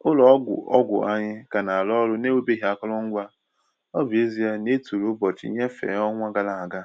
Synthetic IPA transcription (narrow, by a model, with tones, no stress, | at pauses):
ʊ˦lɔ˨˦ɡʷʊ̰˨ɔ̰˦ɡʷʊ̰˨ʔa˦ɲɪ˦ka˨na˨a˨lɔ˦lʊ˦ne˦we˦be˦ɦi˨a˨kɔ˦lɔ˦ŋ̩˦ɡʷa˦ | ɔ˦bi˨e˦zi˦a˦ne˦tu˨ɾu˦bɔ˨t͡ʃɪ̰˨˦ɲe˦fḛ˨˦ɔ˦ŋʷa˦ɡa˦la˨a˨ɡa˦